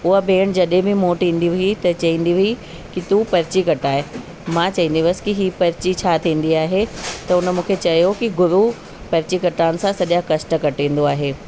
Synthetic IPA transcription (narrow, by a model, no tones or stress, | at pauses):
ʊɦabeːɽ̃d͡ʑɐɗɦɪ̃bʱɪ̃moːʈĩːn̆d̪iʋʊit̪ɐt͡ɕɐʋĩːnd̪iʋʊi | kit̪uːpɐɾɪt͡ɕikɐʈaːɦe | mãt͡ɕɐʋĩːn̆d̪iʋəskiɦiːpɐɾɪt͡ɕit͡ɕʰaːt̪ʰĩːn̆d̪iaːɦet̪ɐʊnə̆mũːkʰet͡ɕɐjokiɡʊɾu | pɐɾɪt͡ɕikɐʈaːʊnɪ̆sãsɐʄakɐʃʈəkɐʈĩːn̆d̪oaːɦeː